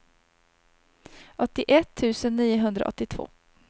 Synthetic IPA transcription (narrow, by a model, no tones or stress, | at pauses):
ʔɔt̪ːɪʔɛt̪ʰːʉ̟ːsənːiːʊɦɵnd̪ɾa̰ʔɔ̰t̪ːɪt̪ʰv̥o̰ː